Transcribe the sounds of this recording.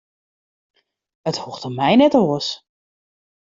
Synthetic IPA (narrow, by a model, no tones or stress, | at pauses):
əthuxtəmɛjnɛtoəs